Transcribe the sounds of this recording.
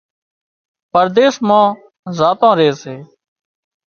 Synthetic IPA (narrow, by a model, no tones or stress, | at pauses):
pəɾd̪eːsmãː | zaːt̪ãːɾeːseː